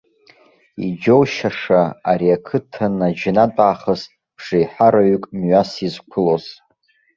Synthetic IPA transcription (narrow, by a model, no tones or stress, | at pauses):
ḭd͡ʒowʃaʂaaɾiakʰɨtʰanad͡ʒnatʼaːχəsʰ | ʂejħaɾaɥykʼmɥasizkʷʰʊlo̞z̥